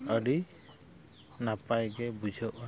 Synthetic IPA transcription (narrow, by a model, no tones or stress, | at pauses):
əɾi | napajɡɛbud͡ʒʱɔʔa